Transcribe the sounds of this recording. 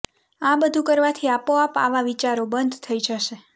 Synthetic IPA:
ãbəd̪ʱũkəɾʋat̪ʰiapoapa̰ʋaʋit͡ʃaɾobənd̪ʱt̪ʰəid͡ʒəʃe

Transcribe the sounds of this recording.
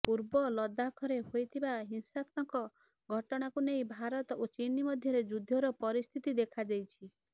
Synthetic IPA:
puɾbɔlɔd̪akʰɔɾeɦojt̪ʰibaɦinsat̪ɔŋkɔ | ɡʱɔʈɔɽ̃akunej̃bʱaɾɔt̪ɔot͡ʃinimɔd̪ʱjɔɾed͡ʒud̪ʱːɔɾɔpɔɾist̪ʰit̪id̪ekʰad͡ʒajt͡ʃʰi

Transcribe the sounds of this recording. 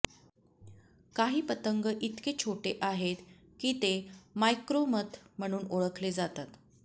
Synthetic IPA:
kaɦiːpət̪əŋɡəʔit̪ket͡ɕʰoʈeʔaɦet̪ | kiːt̪emajkɾomət̪m̤əɽ̃uːnoɭəkʰled͡zat̪at̪

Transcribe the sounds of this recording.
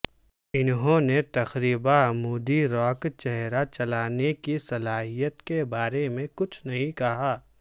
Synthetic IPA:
ɪnɦõnet̪ɐxɾiːbamuːd̪iɾɔːkt͡ʃɛɦɾat͡ʃɐlaːnekisɐlaːɦijət̪kebaːɾemẽkʊt͡ʃʰnɐɦĩkɐɦaː

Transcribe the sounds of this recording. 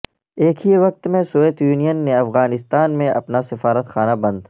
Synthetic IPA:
eːkʰɦiʋɐq̚t̪mẽsoʋeːt̪juːnijənːeɐfɣaːnɪst̪aːnmẽʔɐ̰pnasɪfaːɾət̪xaːnabɐ̃nd̪

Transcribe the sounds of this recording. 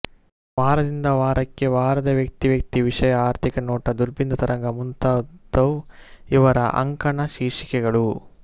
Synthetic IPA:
ʋaːɾɐd̪ind̪ɐʋaːɾɐkːe̞ʋaːɾɐd̪ɐʋjɐk̚t̪iʋjɐk̚t̪iʋiʂɐjɐaːɾt̪ʰikɐnɔːʈɐd̪uɾbind̪ɐt̪ɐɾɐŋɡɐmunt̪aːt̪ːɐwiʋɐɾɐ̰ʔɐ̰ŋkɐɳɐʃiːʂi̥kɛɡɐɭu

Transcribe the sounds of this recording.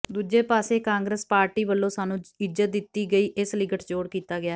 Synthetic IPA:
d̪uːd͡ʒeːpaːseːkãːŋɡɾeːspaːɾʈiːʋəlːõːsaːnũːɪd͡ʒət̪̚d̪ɪt̪ːiːɡəiːʔɪslɪɡəʈd͡ʒoːɽkiːt̪aːɡɪaː

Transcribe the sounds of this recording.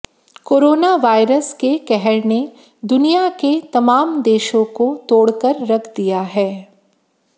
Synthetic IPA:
koːɾoːnaʋaːɪɾəskekɛɦɛɾne | d̪ʊnijaket̪ɐmaːmd̪eːʃõkot̪oːɽkəɾːɐkʰd̪ijaɦɛː

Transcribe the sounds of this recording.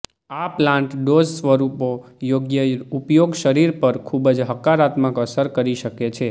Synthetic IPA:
aplãɳʈɖod͡ʒsʋəɾupo | joɡjəupjoɡʃəɾiɾpəɾkʰubəd͡ʒɦəkaɾat̪məkəsəɾkəɾiʃəket͡ʃʰe

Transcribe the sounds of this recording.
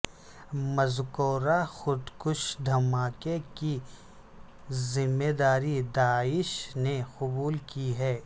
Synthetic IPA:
mɐzkoːɾaxʊd̪kʊʃd̪ʱɐmaːkeki | zɪmːeːd̪aːɾid̪aːɪʃneqʊbuːlkiɦɛː

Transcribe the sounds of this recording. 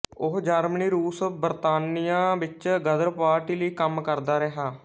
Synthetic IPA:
ʊɦd͡ʒaːɾməniːɾuːsbəɾt̪aːnijãːʋɪt͡ʃɡəd̪əɾpaːɾʈiːləiːkəmkəɾd̪aːɾɛɦaː

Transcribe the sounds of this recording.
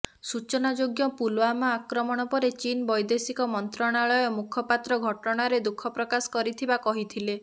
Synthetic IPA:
sut͡ʃɔnad͡ʒoɡjɔpulwamaakɾɔmɔɽ̃ɔpɔɾet͡ʃinbɔjd̪esikɔmɔnt̪ɾaɽ̃aɭɔjɔmukʰɔpat̪ɾɔɡʱɔʈɔɽ̃aɾed̪ukʰɔpɾɔkasɔ̥kɔɾit̪ʰibakɔɦit̪ʰile

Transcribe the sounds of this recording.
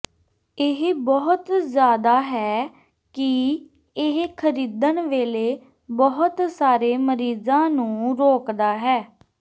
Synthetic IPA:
ɪɦbɔːʊt̪zjaːd̪aːɦɛː | kɪ | ɪɦkʰəɾiːd̪ənʋeːleː | bɔɦʊt̪saːɾeːməɾiːzãːnũːɾoːkd̪aːɦɛː

